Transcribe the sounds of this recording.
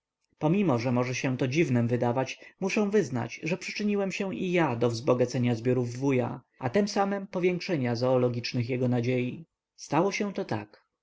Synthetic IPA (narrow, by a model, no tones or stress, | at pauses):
pɔmʲimɔʐɛmɔʐɛɕɛ̃t̪ɔd͡ʑivnɛmvɘd̪avat͡ɕmuʂɛ̃w̃vɘzna̰t͡ɕʐɛpʂɘ̥t͡ʂɘɲiwɛmɕɛ̃ʔijad̪ɔvzbɔɡat̪sɛɲazbʲjɔɾuvːuja̰ | at̪ɛmsamɛmpɔvʲjɛŋkʂɛɲazɔːlɔɡʲit͡ʂnɘxjɛɡɔnad͡ʑeji | st̪awɔɕɛ̃t̪ɔt̪a̰k